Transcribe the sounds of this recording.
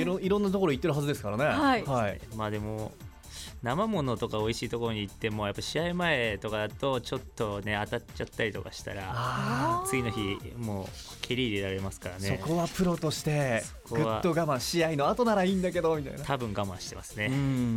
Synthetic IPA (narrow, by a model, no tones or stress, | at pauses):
ɾõiɾonːat̪oko̞ɾo̞it̪ːe̞ɾɯ̟ɦazɨd̪e̞sɨ̥kaɾane̞hahaimaːd̪e̞mo̞ | namamo̞no̞t̪o̞kao̞iɕiːt̪o̞ko̞ɾo̞ɲ̟iːt̪ːe̞mo̞japːaɕiaimae̞t̪o̞kad̪at̪o̞t͡ɕo̞t̪ːo̞ne̞at̪at͡ɕat̪ːaɾʲit̪o̞kaɕi̥t̪a̰ɾaat͡sɨɡʲino̞çimoː | kʲʰeɾʲiːd̪eɾaɾe̞masɨ̥kaɾaneso̞ko̞βapɯ̟ɾo̞t̪o̞ɕi̥t̪e̞so̥koɡɯβa̰ːo̞ɡamãɰ̃ɕiaino̞at̪o̞naɾaĩnd̪ake̞d̪o̞mʲit̪a̰ijnat̪ʰabɯ̟̃ŋɡamãɰ̃ɕi̥t̪e̞masɨneɯ̃